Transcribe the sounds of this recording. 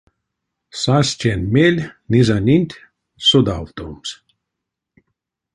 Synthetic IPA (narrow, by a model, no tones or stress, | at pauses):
sasʲt͡ɕʲenʲmʲelʲnʲizɑnʲinʲt̪ʲ | sod̪ɑ̰lt̪oms